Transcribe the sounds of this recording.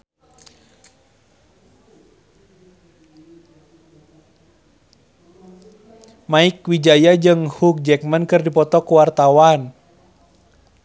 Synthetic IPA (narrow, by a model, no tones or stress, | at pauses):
maikwid͡ʒajad͡ʒɨŋhuk̚d͡ʒɛk̚mənkɨrdipɔt̪ɔkuwart̪awan